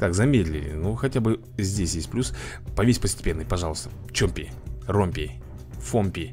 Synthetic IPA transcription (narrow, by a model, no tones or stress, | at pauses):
k̪akzɐmʲetʲdʲlʲɪ̰lʲɪ̰nuxɐtʲabɨ | zʲdʲesʲjesʲt̚ʲplʲuspɐvʲepəsʲtʲɪ̥pʲe̞nːɨjpɐʐalˠəst̪ə̥ | t͡ɕomʲpʲɪ̰ | romʲpʲi | fomʲpʲi